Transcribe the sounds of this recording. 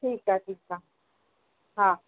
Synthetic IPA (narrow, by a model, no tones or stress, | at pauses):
ʈʰiːkaʈʰiːka | ɦãː